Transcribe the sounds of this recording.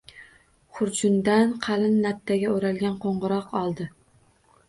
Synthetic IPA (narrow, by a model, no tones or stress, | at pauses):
χʊɾd͡ʒʊnd̪anqʰɑlɪnːat̪ʰːaɡʲaoɾalɡʲanqʰoɴʁʊɾɒqʰɒlˠd̪ɪ